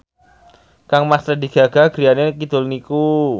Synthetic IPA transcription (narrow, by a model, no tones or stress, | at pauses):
kaŋmast̪ɾadiɡ̥aɡaɡɾianakit̪ʊlniku